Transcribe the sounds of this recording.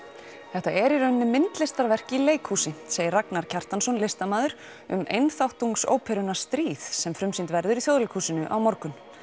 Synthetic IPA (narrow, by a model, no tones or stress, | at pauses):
θɛht̪aʔɛɾiɾœɥnːʏmɪnt̪lɪst̪aɾvɛr̥cɪileːjkhuːsɪseːjɪɾraknaɾ̥cʰar̥t̪ansɔnlest̪amaːðʏɾ̥ | ʏ̰mḛjnθawht̪uŋkso̰ːwpʰɛɾʏnḁst̪ɾiːðsɛmfɾʏmsint̪vɛɾðʏɾiθjoːðlejkhuːsɪnʏʔa̰wmɔɾkʏn